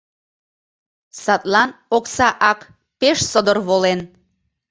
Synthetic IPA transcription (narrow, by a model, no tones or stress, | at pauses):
sɑt̪lɑnoksɑʔɑk | peʃsod̪ərβolen